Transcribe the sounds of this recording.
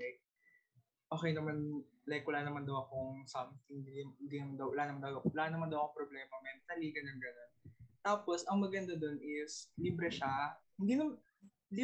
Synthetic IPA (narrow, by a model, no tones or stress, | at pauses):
k̚ | ʔo̞ːkɛjnɐman | lajkwɐlaːnɐmand̪ɐwɐko̞ŋsɐmt̪ɪŋd̪iɪnd̪iːnɐmand̪ɐwwɐlaːnɐmand̪ɐwɐlaːnɐmand̪ɐwɐkopɾoblɛːmɐmɛmt̪ɐliːɡɐnɐnɡɐnont̪aːpo̞sʔɐŋmɐɡɐnd̪ad̪o̞nʔɪsliːbɾɛʃahɪnd̪iːnɐm | li